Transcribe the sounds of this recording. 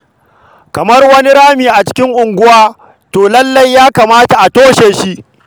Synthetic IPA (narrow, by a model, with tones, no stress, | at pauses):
kɐ˨mɐ˦rwɐ˦ni˦ɽaː˦miː˨ʔa˨t͡ʃɪ̥˦kʲɪ˦ŋʔʊ˨ŋɡʷʊ˦waː˦ | toː˨lɐ˦lːɐ˦jːaː˦kaː˨maː˦ta˨ʔa˨toː˦ʃeː˨ʃi˦ʔ